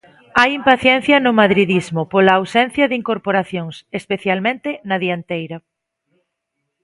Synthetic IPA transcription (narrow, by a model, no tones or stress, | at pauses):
ajimpaθjɛn̟θjɐnʊmaðɾiðizmʊpolɐːwsɛnθjɐðiŋkoɾpoɾaθjoŋsespeθjalmẽnt̪ɪnɐðiant̪ejɾɐ